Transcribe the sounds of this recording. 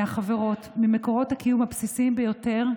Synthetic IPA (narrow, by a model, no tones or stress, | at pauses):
aχaveʁo̞tmimeko̞ʁo̞thakijumapsisimbejo̞te̞ʁ